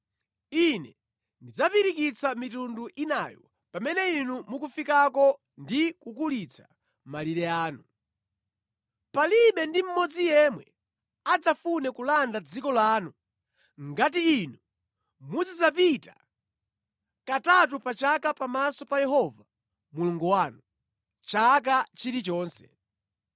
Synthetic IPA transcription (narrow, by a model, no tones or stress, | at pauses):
inɛ̰ | ndid͡zapiɾikit͡samitunduʔina̰jɔ̰ | pamɛnɛinumukufikakɔ | ndikukulit͡sʰḁ | maliɾɛaːnu | paliɓɛndim̩mɔd͡zijɛmwɛ | ad͡zafunɛkulandad͡zikɔlaːnu | ŋɡat̬iːnu | mud͡zid͡zap̬itḁ | katat̬upat͡ʃakapamasɔpajɛɦɔva | muluŋɡuwaːnu | t͡ʃak̬at͡ʃiɾit͡ʃɔːnsɛ̰